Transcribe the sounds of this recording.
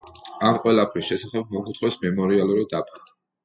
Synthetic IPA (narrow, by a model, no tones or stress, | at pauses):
amqʼwɛlˠapʰɾisʃɛsaχɛb̚mɔɡut̪ʰχwɛsmɛmɔɾialˠuɾid̪apʰḁ